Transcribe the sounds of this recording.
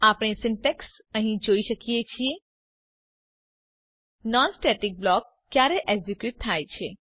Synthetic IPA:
apɽ̃esɪɳʈeks | əɦĩd͡ʒoiʃəkijet͡ʃʰie | nɔnsʈeʈik̚blɔkːjaɾeʔeɡzikjut̪ʰːajt͡ʃʰe

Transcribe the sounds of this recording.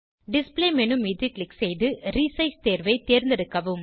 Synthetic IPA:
ɖɪspleːmɛnɯmɪðɯklɪksɛjðɯɾiːsɐɪst̪eːɾʋɐɪt̪eːɾnd̪ɪɾɯkːɐʋɯm

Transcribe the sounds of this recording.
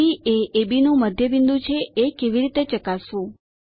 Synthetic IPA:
ieʔebinũməd̪ʱjəbind̪ũt͡ʃʰeekeʋiɾit̪et͡ʃəkasũ

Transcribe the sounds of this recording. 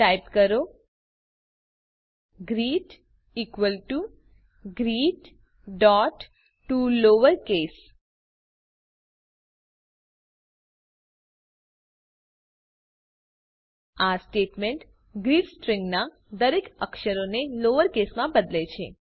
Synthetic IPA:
ʈajpkəɾo | ɡɾiʈ | ikʋəlʈu | ɡɾiʈ | ɖɔʈː | uloʋəɾkes | asʈeʈmeɳʈ | ɡɾiʈsʈɾĩŋɡna | d̪əɾekəkʃəɾoneloʋəɾkesmãbəd̪let͡ʃʰḛ

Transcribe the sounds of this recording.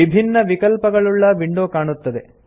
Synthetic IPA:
ibʱinːɐʋikɐlpɐɡɐɭuɭːɐʋiɳɖoːkaːɳut̪ːɐd̪ḛ

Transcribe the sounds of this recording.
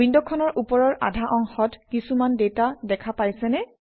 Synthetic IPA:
indɔkʰːɔnɔɹʔupɔɹɔɹʔa̰dʱaʔɔŋxɔtkisumandetadɛkʰapajsɛnɛ

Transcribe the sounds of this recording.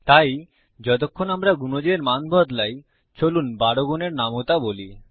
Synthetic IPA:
t̪aj | d͡ʑɔt̪okʰːonamɾaɡunod͡ʑeɾmanbʱɔd̪laj | t͡ɕolunbaɽoɡoneɾnamot̪aboli

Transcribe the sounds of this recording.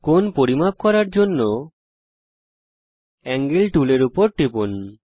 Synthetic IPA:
konpoɾimab̚kɔɾaɾd͡ʑonːo | ɛŋɡilʈuleɾupoɾʈipun

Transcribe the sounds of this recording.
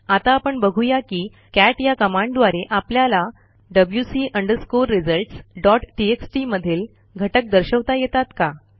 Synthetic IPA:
at̪aːpəɳbəɡʱujakiː | kæʈjakəmãɳɖd̪ʋaɾeʔapljala | ɖəbljusiʔəɳɖəɾskoɾːid͡zəɾʈsɖɔʈʈieksʈiməd̪ʱiːl | ɡʱəʈək̚d̪əɾɕəʋt̪ajɛt̪at̪ka

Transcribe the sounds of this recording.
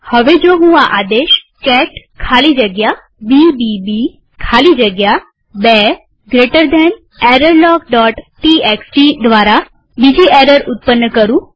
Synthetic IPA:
həʋed͡ʒoːɦũaʔad̪eʃ | kɛʈkʰalid͡ʒəɡja | bibibi | kʰalid͡ʒəɡja | bɛ | ɡɾeʈəɾd̪ɛn | ɛɾəɾlɔːkɖɔːʈʈieksʈid̪ʋaːɾa | bid͡ʒʱiʔɛɾəɾʊt̪̚pənːəkəɾũ

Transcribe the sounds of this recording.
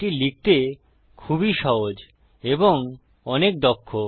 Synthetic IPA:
ilik̚t̪e | kʰubiʃɔɦod͡ʑ | eboŋ | ɔnek̚d̪ɔkʰːo

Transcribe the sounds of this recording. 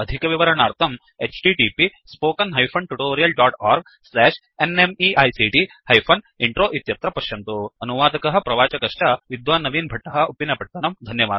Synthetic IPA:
ɐd̪ʱikɐʋiʋɐɾɐɳaːɾt̪ʰɐm | eːt͡ʃʈiʈiːpispoːkɐnɦɐjpʰɐɳʈuʈoːɾijɐlɖaːʈaːɾɡ̚ | slɛːʂ | enemiʔɐjsiʈi | hɐjpʰɐn | iɳʈɾoːʔit̪jɐt̪ɾɐpɐʃjɐnt̪uɐnuʋaːd̪ɐkɐɦɐ̆pɾɐʋaːt͡ʃɐkɐʂʈɐʋid̪ʋaːnːɐʋiːnbʱɐʈːɐɦɐ̆upːinːɐpɐʈ̚t̪ɐnɐmd̪ʱɐnjɐʋaːd̪

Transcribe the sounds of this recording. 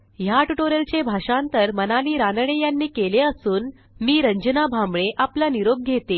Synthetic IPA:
jaʈuʈoɾəlt͡ɕebʱaʂãnt̪əɾmənaliːɾanəɽejanːiːkeleəsuːn | miːɾəɲd͡ʑənabʱamɭeʔaplaniɾoɡ̚ɡʱet̪e

